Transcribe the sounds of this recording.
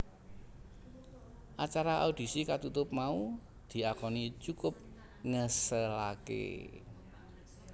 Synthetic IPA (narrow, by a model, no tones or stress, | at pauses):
ʔat͡ʃaɾaʔaud̪̥i̤sikat̪ut̪ʊp̚mau | d̪̥i̤akɔnit͡ʃukʊp̚ | ŋəsəlakḛ